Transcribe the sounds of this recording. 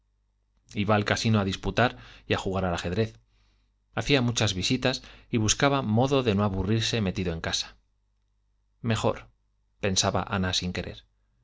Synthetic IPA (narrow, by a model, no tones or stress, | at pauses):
iβaːlkasinoaðisput̪aɾiaxuɣaɾalaxe̞ðɾe̞θ | aθiamut͡ʃazβisit̪asiβ̞uskaβamo̞ðo̞ðe̞no̞aβuriɾse̞me̞t̪iðoe̞ŋkasḁ | me̞xo̞̰ɾ | pe̞nsaβa̰ʔa̰nasiŋke̞ɾe̞̰ɾ